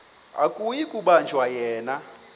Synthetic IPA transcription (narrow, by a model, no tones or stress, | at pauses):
a̰kʼujikʼuɓand͡ʒʱwajɛːna